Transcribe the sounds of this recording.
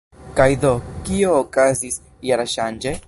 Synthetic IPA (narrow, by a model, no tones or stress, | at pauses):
kajðokioːkazis | jaɾaʃand͡ʒe